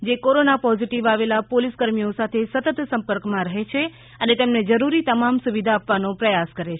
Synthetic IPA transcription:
d͡ʒekoɾonapɔziʈiʋaʋelapoliskəɾmiosat̪ʰesət̪ət̪sə̃mpəɾkmãɾəɦet͡ʃʰe | ənet̪emned͡ʒəɾuɾit̪əmamsuʋid̪ʱaːpʋanopɾəjaskəɾet͡ʃʰ

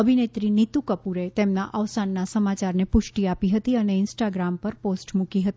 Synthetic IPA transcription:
əbʱinet̪ɾinit̪ukəpuɾet̪emnaʔəʋsanːasəmat͡ʃaɾnepʊʃʈiapiɦət̪iəneɪnsʈaɡɾampəɾposʈmũkiɦət̪i

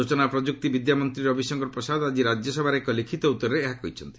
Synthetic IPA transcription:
ot͡ʃɔnapɾɔd͡ʒuk̚t̪ibid̪jamɔnt̪ɾiɾɔbʱisɔŋɡɔɾpɾɔsad̪ad͡ʒiɾad͡ʒjɔsɔbʱaɾeekɔlikʰit̪ɔut̪ːɔɾɔɾeeɦakɔɦit͡ʃʰɔnt̪i̥

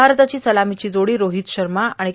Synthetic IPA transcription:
aɾt̪at͡ɕiːsəlamit͡ɕiːd͡zoɽiːɾoɦiːt̪ɕəɾmaaɽ̃i

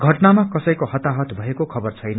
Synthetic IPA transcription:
ɡʱʌʈnamakʌsʌjkohʌt̪aɦʌt̪bʱʌekokʰʌbʌrt͡sʰʌjnʌ

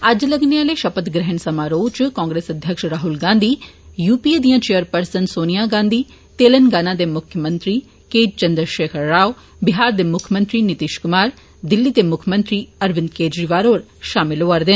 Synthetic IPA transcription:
ɐd͡ʒlɐɡneaːleʃɐpət̪ɡɾɛɦənsɐmaːɾoːt͡ʃkãːŋɡɾeːsɐd̪ʱjəkʃɾaːɦulɡãːnd̪ʱiː | juːpied̪ijãːt͡ʃeːjəɾpɐɾsənsoːnijaɡãːnd̪ʱiː | t̪eːlənɡaːnãd̪emʊkʰjəmə̃nt̪ɾi | keːd͡ʒt͡ʃɐnd̪ɾəʃeːkʰəɾːaːw | bɪɦaːɾd̪emʊkʰjəmə̃nt̪ɾinɪt̪iʃkʊmaːɾ | d̪ɪlːit̪emʊkʰjəmə̃nt̪ɾiɐɾʋɪnd̪keːd͡ʒɾiʋaːɾoːɾʃaːmɪloəɾd̪ɪn

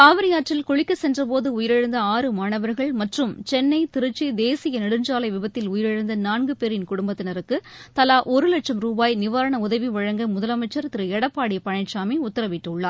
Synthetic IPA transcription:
k̪aːʋɐɾɐjaːʈrɪlkɔɻɪkːɐsɛndrɐp̬oːðɯʊjɪɾɛɻɯnd̪ɐaːɾɯmaːɳɐʋɐɾɣɐɭmɐʈrɯmt͡ʃɛnːɐɪt̪ɪɾɯt͡ʃːid̪eːsɪjɐnɐɽɯnd͡ʒaːlɐɪʋɪbɐt̪ːɪlʊjɪɾɛɻɯnd̪ɐnaːnɡɯpeːɾɪnkʊɽʊmbɐt̪ːɪnɐɾɯkːɯt̪ɐlaːʔɔɾɯlɐʈt͡ʃɐmɾuːbaːjnɪʋaːɾɐɳɐʊðɐʋiʋɐɻɐŋɡɐmʊðɐlɐmɐɪt͡ʃːɐɾt̪ɪɾɯɛɽɐpːaːɽɪjɐpɐɳɐɪʈt͡ʃaːmiʊt̪ːɐɾɐʋɪʈːʊɭːaːɾ

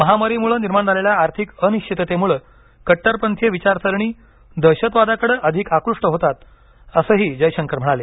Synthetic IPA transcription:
məɦamaɾimuɭəniɾmaɳd͡zʱaleljaːɾt̪ʰikəniɕt͡ɕʰit̪ət̪emuːɭə | kəʈːəɾpənt̪ʰjəʋit͡ɕaɾsəɾɳ̃iː | d̪əɕət̪ʋad̪akəɽəʔəd̪ʱikakɾuʂʈəɦot̪at̪ | əsəɦiːd͡ʑəjɕəŋkəɾm̤əɽale

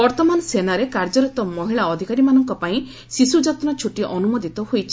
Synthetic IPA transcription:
bɔɾt̪ɔmanɔsenaɾekaɾd͡ʒɔɾɔt̪ɔmɔɦiɭaɔd̪ʱikaɾimanɔŋkɔpaĩ | sisud͡ʒat̪nɔt͡ʃʰuʈiʔɔnumod̪ʱit̪ɔhojt͡ʃʰi̥

